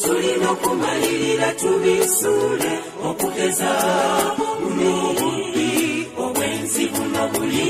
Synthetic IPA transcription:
tulimakumaliɾilatuβisulɛ | okukɛza | unuβutioβwɛnziβunaβuli

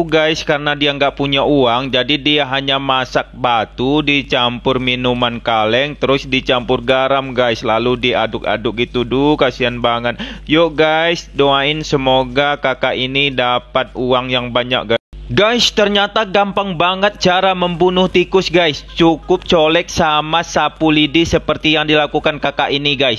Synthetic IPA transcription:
ɡajskarənadiaŋɡaʔpuɲaʔuaŋd͡ʒadidiaɦaɲamasak̚bat̪udit͡ʃampʊrminumankalɛŋt̪əɾʊsdit͡ʃampʊrɡaɾamɡaɪslaludiadʊka̰dʊk̚it̪udukasianbaŋət̪̚joɡajsdoaɪnsəmoɡakakaʔinidapat̪̚uaŋjaŋbaɲa̰k̚ɡaɡajst̪ərɲat̪aɡampaŋbaŋət̪̚t͡ʃaɾaməmbunʊht̪ikʊsɡajst͡ʃukʊp̚t͡ʃolɛk̚samasapulidisəpərt̪ijaŋdilakukankakaʔiniɡajs

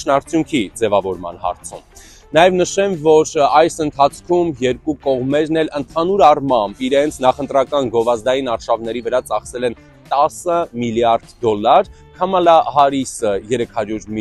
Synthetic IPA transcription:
nɑɾt͡sʰjuŋkʰid͡zɛvɑvɔɾmɑ̰n̪hɑ̰ɾt͡sʰṵm | nɑjɛvnəʃɛmvɔɾɑjsənt̪ʰɑt͡sʰkʰumjɛɾkukɔʁmɛɾn̪ɛlənt̪ʰɑnuɾɑrmɑmbiɾɛnt͡sʰnɑχənt̪ɾɑkɑnɡɔvɑzd̪ɑjinɑɾʃɑvnɛɾivəɾɑt͡sɑχsɛlɛn | t̪ɑsəmiljɑɾd̪d̪ɔlːɑɾ | kʰɑmɑlɑɦɑɾisəjɛɾɛkʰhɑɾjuɾm

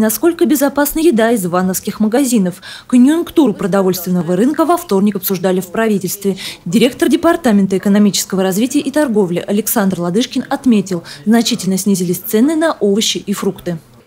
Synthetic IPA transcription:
nɐsko̞lʲkəbʲɪzɐpasnəjɪd̪aɪzvanəfskʲɪxməɡɐzʲinəfkənʲjʊnkt̪uɾʊpɾəd̪ɐvo̞lʲst̪vʲɪnːəvəɾɨnkəvɐft̪o̞rnʲɪkɐpsʊʐd̪alʲɪfpɾɐvʲitʲɪlʲst̪vʲɪdʲɪɾʲe̞k̚t̪ərdʲɪpart̪amʲɪnt̪əɪkənɐmʲit͡ɕɪ̥skəvəɾɐzvʲitʲɪjəʔit̪ɐrɡo̞vlʲɪʔɐlʲɪksand̪rlˠɐd̪ɨʂkʲɪnɐt̪mʲetʲɪlˠznɐt͡ɕitʲɪlʲnəsʲnʲizʲɪlʲɪsʲt̪sɛnɨnɐʔovəɕːɪʔifɾukt̪ɨ

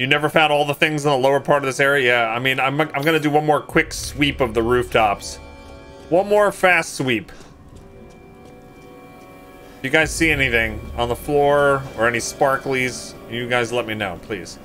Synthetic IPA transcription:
jɨnɛvə˞fãʊ̃ndɔlˠðəθɪ̃ŋzn̩ðəloʊə˞pʰɑɹɾʌvðɪsɛɹiɨjæaɪmĩnãɪ̃mʔãɪ̃mɡʌnɨdɨwʌ̃nmɔɹkʰw̥ɪkswipʌvðəɹʉftʰɑps | wʌ̃nmɔɹfæstswip | d̥ɨjɨɡaɪz̥siɛniθɪ̃ŋə̃nðəflɔɹə˞ɛnispɑɹkliz̥ | jɨɡaɪzlɛt̚minoʊpʰl̥ḭz̥

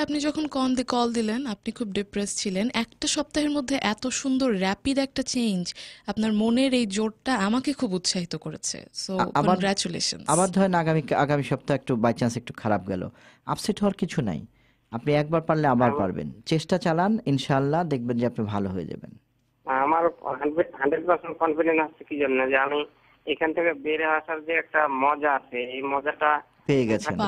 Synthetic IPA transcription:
apnid͡ʑɔkʰonkɔnd̪ikɔld̪ilenapnikʰub̚ɖipɾest͡ɕʰilenɛkʈaʃɔp̚t̪aɦeɾmod̪ʱːeʔɛt̪oʃund̪oɾːɛpid̪ɛk̚ʈat͡ɕejnd͡ʑapnaɾmoneɾejd͡ʑoɽ̚ʈaamakekʰubut̪ʃaɦit̪okoɾḛt͡ɕʰḛsoakɔɡɾɛt͡ɕulḛʃo̰nsabaɾd̪ʱɔenaɡamikaɡamiʃɔp̚t̪aɦek̚ʈubajt͡ɕasek̚ʈukʰaɾap̚ɡɛ̰lo̰ | a̰psiʈʰɔaɾkit͡ɕʰuna̰j | apniɛk̚baɾpaɽleabaɾpa̰ɾbḛnt͡ɕeʃʈat͡ɕalaninʃalːad̪ek̚ʰbend͡ʑeapnibʱaloɦoḛd͡ʑa̰bḛn | amaɾɦaɖeɦaɳɖɾeɖpaɾsenʈ̚kɔnfiɖensast͡ʃʰekid͡ʑonːod͡ʑeami | ejkʰanet̪ʰekebeɾeɦaʃaɾd͡ʒeɛk̚ʈamɔd͡ʑaat͡ɕʰeejmɔd͡ʒaʈa | peeɡɛt͡ɕʰen

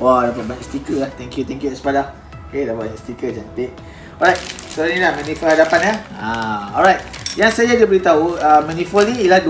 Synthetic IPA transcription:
wadapat̚bast̪ikəlaht̪ɛ̃ŋkjut̪ɛ̃ŋkjuɛspada | okedabaɛst̪ikəd͡ʒant̪ek̚ | ɔɹajt̚soɾanĩlahmãnifəlhadapanaãɔlɹajt̪̚jaŋsajaɡəbəɾit̪auəmãnifəlniilahd

